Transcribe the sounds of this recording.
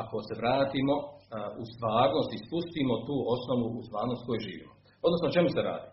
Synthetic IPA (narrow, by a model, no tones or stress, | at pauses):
ako̞se̞ʋɾaːt̪imo̞ust̪ʋaːɾnost̪ispust̪imot̪uːo̞snoʋuʔust̪ʋaːɾnost̪ko̞juʒiːʋiot̪od̪nosnot͡ʃe̞museɾa̰ːd̪i